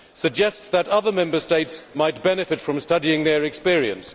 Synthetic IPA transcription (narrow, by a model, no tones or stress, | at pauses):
sɨɡ̚d͡ʒɛstðəɾʌðə˞mɛ̃mbə˞steɪtsmaɪt̚b̥ɛnɨfɨtfɹə̃mstʌɾiɪ̃ŋðə˞ɨkspɪɹiɨ̰̃ns